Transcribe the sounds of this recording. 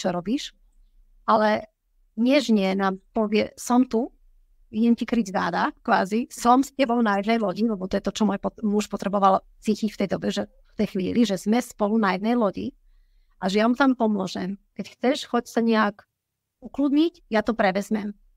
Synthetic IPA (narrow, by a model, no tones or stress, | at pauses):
t͡ʃɔɾɔbiːʃ | ʔalɛ | ɲɪɛʒɲɪɛnaːmpɔʋɪɛsɔmt̪u | iɛncikɾizɡa̰ːd̪akʋaːzisɔmscɛbɔʊnajɛnɛjlɔɟilɛbɔt̪ɔjɛt̪ɔt͡ʃɔmɔjpɔmuʃpɔt̪ɾɛbɔʋal | t͡siːcicft̪ɛjd̪ɔbɛʒɛ | ft̪ɛjxʋiːliʒɛzmɛspɔlunajɛd̪̚nɛjlɔɟḭ | ʔaʒɛjamut̪ampɔmʊɔʒɛmkɛcxt͡sɛʃxɔcsaɲɛak | uklud̪ɲicjat̪ɔpɾɛʋɛzmɛm